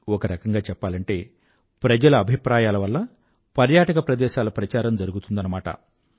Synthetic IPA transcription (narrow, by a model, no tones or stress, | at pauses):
ɔkɐɾɐkɐŋɡaːt͡ʃɛpːaːlɐɳʈe̞ː | pɾɐd͡ʒɐlɐːbʱipɾaːjaːlɐʋɐlːɐ | pɐɾjaːʈɐkɐpɾɐd̪ɛːʃaːlɐpɾɐt͡ʃaːɾɐmd͡ʒɐɾuɡut̪und̪ɐnɐmaːʈɐ̰